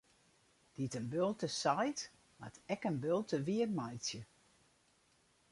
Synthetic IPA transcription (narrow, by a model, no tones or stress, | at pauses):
d̥itənbølˠtəsajt | ma̰tɛkənbølˠtəʋiərmajsjə